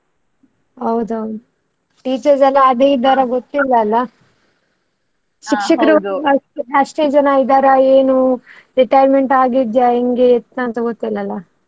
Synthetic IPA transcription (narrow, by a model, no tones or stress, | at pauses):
ɦɐwd̪ɐwd̪u | ʈiːt͡ʃɐɾsɛlːaːd̪eːid̪aːɾɐɡot̪ːilːɐːlːɐ | ʃikʂikɐɾuɾuɐʈeɐʂʈeːd͡ʒɐnaid̪aːɾaeːnu | ɾiʈɐjɾmeɳʈaːɡid̪jaeŋɡeːt̪ːaɐnt̪ɐɡot̪ːilːɐlːɐ